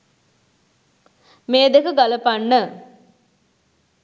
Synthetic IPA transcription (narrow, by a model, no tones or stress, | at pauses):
meːd̪ekəɡaləpanːə